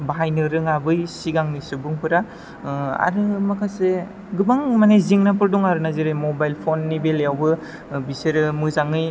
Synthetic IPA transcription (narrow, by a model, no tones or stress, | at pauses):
baɦajnɯɾɯŋabɯjsiɡaŋnisubɯŋpʰɯɾa | a̰ɾɯmakʰase | ɡɯbaŋmanajziŋnapɯɾduŋaɾɯnaziɾɯjmobajlpʰonːibeljawbɯ | biseɾɯmɯzaŋɯj